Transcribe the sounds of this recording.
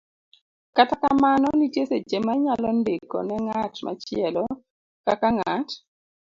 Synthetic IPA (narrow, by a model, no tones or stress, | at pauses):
katakamanɔnitjeset͡ʃemaɲalɔndekɔ̰nɛŋatma̰t͡ʃɪɛlɔ | kakaŋat